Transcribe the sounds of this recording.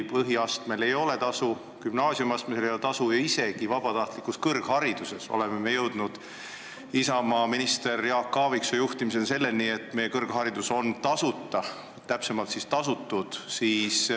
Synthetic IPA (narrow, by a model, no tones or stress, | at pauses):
pɤɦiɑst̪me̞le̞jo̞le̞t̪ɑsu | kymnɑːsiumɑst̪miselejolet̪ɑsujɑise̞ɡ̥ivɑb̥ɑt̪ɑht̪likːuskɤrɡ̥hɑɾid̪̥use̞so̞̰le̞me̞me̞jɤwd̪̥nud̪̥ | isɑmɑminist̪e̞rjɑːkːɑːviksojuht̪imis̬e̞nse̞lːe̞lnie̞t̪ːˑme̞je̞kɤrɡ̥ɦɑɾid̪̥uso̞nt̪ɑsut̪ːɑ | t̪ːæpse̞mɑlt̪sist̪ɑsut̪ːud̪̥siːs